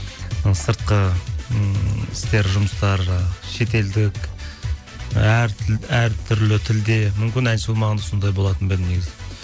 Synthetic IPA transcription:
səɾt̪̚qə | ɪst̪e̞ɾʒʊməst̪ɑɾʃe̞t̪e̞ld̪ɪk | æɾæɾt̪ʰʏɾlɪt̪ʰɪld̪e̞mʏmkʲɪnænsolˠmɑʁɑnd̪ɑsond̪ɑjbo̞lˠɑt̪ənbɪlneɡʲɪzɪ

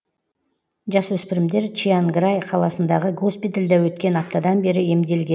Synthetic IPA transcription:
ʒɑswɵspɪɾɪmd̪e̞ɾt͡ʃianɡɾajqʰɑlˠɑsənd̪ɑʁəɡospit̪eld̪ɑwɵt̪kʲe̞nɑp̚t̪ɑd̪ɑnbe̞ɾɪe̞md̪e̞lɡʲe

